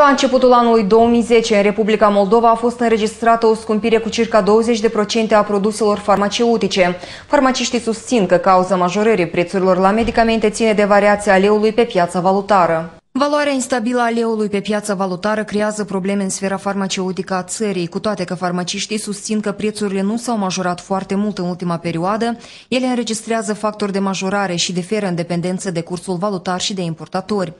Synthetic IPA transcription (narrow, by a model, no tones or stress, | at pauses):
laɨnt͡ʃe̞put̪ulanulujd̪o̞womijze̞t͡ʃeɨnre̞publikamo̞ld̪o̞vaːfo̞st̪ɨnɾe̞d͡ʒist̪ɾat̪əoskumpiɾe̞kut͡ʃirkad̪o̞wəze̞t͡ʃʲd̪e̞pɾo̞t͡ʃe̞nt̪eapɾo̞d̪use̞lo̞rfarmat͡ʃe̞ut̪it͡ʃe̞ | farmat͡ʃiʃt̪ijsust̪sinkəkauzamaʒo̞ɾəɾijpɾe̞t̪suɾilo̞rlame̞d̪ikame̞nt̪e̞t̪sine̞d̪e̞vaɾiat̪sijale̞ulujpe̞pjat̪savalut̪aɾə | valuaɾeainst̪abiləaːle̞ulujpe̞pjat̪səvalut̪aɾəkɾe̞azəpɾo̞ble̞me̞ɨnsfe̞ɾafarmat͡ʃe̞ut̪ikəat̪səɾijkut̪oat̪e̞kəfarmat͡ʃiʃt̪ijsust̪sinkəpɾe̞t̪suɾile̞nusawmaʒo̞ɾat̪foart̪e̞mult̪ɨnult̪imape̞ɾioad̪ə | je̞le̞ɨnɾe̞d͡ʒist̪ɾeazəfak̚t̪o̞rʲd̪e̞maʒo̞ɾaɾe̞ʃid̪e̞fe̞ɾəɨnd̪e̞pe̞nd̪e̞nt̪səd̪e̞kursulvalut̪arʃid̪e̞impo̞rt̪at̪o̞rʲ